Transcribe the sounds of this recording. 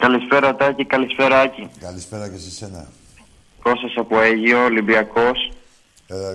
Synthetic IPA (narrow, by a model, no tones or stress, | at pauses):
kɐlispe̞ɾɐt̪ɐcikɐlispe̞ɾɐɐcikɐlispeɾɐkesisenɐ̰ | iko̞sɐsɐpoeʝio̞ːlimbiɐko̞s